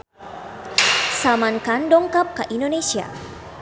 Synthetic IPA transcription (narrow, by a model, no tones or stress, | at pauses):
samankandɔŋkap̚kaʔindonesia̰